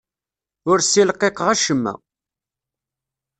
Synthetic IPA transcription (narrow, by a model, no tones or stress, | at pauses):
ʊɾsilqeqəʁæʃəmːæ̰